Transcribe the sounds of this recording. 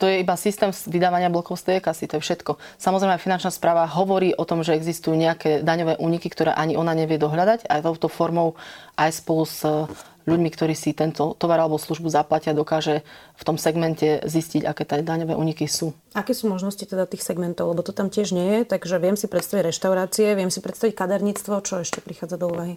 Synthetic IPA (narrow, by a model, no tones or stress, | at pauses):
t̪ɔjɛibasist̪ɛːmsʋid̪aːʋaɲɪablɔkɔʊst̪ɛɛkasit̪ɔjɛfʃɛt̪kɔ | samɔzɾɛjmɛajfinant͡ʃnaspɾaːʋaɦɔʋɔɾiːʔɔt̪ɔmʒɛɛɡzist̪ujuːɲɛakɛːd̪aɲɔʋɛːʔuːɲikikt̪ɔɾɛ̰ːʔaɲiʔɔnaɲɛʋɪɛd̪ɔɦʎad̪aɟajt̪ɔʊt̪ɔfɔɾmɔʊʔajspɔluz | ʎuɟmikt̪ɔɾiːsit̪ɛnt̪ɔt̪ɔʋaɾalɛbɔslˠuʒbuzaplaciad̪ɔkaːʒɛft̪ɔmsɛɡmɛncɛzisciɟakɛːt̪ɛd̪aɲɔʋɛːʔuːɲikisuː | akɛːsuːmɔʒnɔscit̪ɛd̪at̪iːxsɛɡmɛnt̪ɔʊlɛbɔt̪ɔt̪amcɪɛʒɲɛjɛt̪aɡʒɛʋjɛmsipɾɛt̪st̪aʋiɟɾɛʃt̪aʊɾaːt͡siɛʋɪɛmsipɾɛt̪st̪aʋickad̪ɛɾɲiːt͡st̪ʋɔt͡ʃɔɛʃcɛpɾixaːd͡zad̪ɔuːʋaɦi